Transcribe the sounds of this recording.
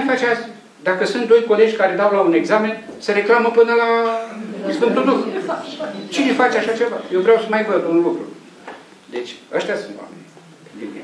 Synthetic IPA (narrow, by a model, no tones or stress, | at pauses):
fat͡ʃeast̪ | d̪akəsunt̪̚d̪o̞jko̞le̞d͡ʒʲkaɾe̞d̪awlaune̞ɡzame̞nsəɾe̞klaməpɨnəla | sfɨnt̪uld̪ux | t͡ʃine̞fat͡ʃeaʃat͡ʃe̞vajewvɾeawsəmajvəd̪unlukɾṵ | d̪e̞t͡ʃʲast̪ʲjasunt̪wa̰mḛni | d̪ḭm̰